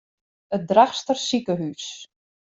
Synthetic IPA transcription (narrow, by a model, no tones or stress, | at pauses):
ət̚draxstərsikəɦys